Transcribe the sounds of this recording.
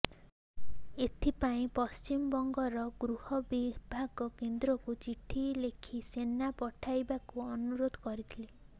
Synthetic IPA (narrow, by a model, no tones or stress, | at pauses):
et̪ʰipaĩpɔst͡ʃimbɔŋɡɔɾɔɡɾuhɔbibʱaɡɔkend̪ɾɔkut͡ʃiʈʰilekʰisenːapɔʈʰajbakuɔnuɾod̪ʱɔkɔɾit̪ʰile